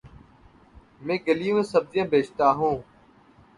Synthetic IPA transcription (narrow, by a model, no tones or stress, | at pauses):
mẽːɡəliːũːẽːsəb̚zɪjãːbeːt͡ʃt̪aːɦũː